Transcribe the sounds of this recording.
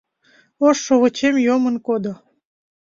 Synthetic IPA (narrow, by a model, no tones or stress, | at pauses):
oʃːoβət͡ɕemjomənkod̪o